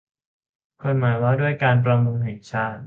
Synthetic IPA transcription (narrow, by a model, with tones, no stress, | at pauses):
kʰo˧nmaː˩˦jwaː˥˩du˥˩əjkaː˧np̬ɾa˧mu˧ŋɦe˨˩t̚t͡ɕʰaː˥˩t̪̚